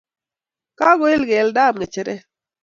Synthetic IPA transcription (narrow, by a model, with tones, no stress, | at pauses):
ka˦ɡo˦ɪ˦lɡe˨lda˦˨mɡɛ˨t͡ʃɪ˨ɾɛ˦